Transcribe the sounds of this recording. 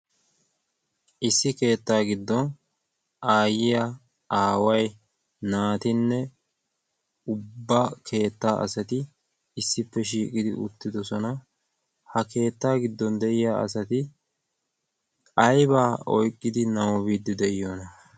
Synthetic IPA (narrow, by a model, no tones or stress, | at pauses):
ʔɪsːɪke̞ːt̪ːaːɡɪd̪ːɔn | aːjɪjɐ | aːwɐj | naːt̪ɪnːɛ | ʊbːɐkʰe̞ːt̪ːaːʔɐ̰sɐt̪ɪ | ɪsːɪpːɛʃiːkʼɪd̪ɪ̰ʔʊ̰t̪ːɪd̪ɔsɔnɐ | hɐke̞ːt̪ːaːɡɪd̪ːɔnd̪ɛʔɪjaːɐ̰sɐt̪ɪ | ɐjbaːɔjkʼːɪd̪ɪnɐwɔβiːd̪ːɪd̪ɛʔɪjoːnɐ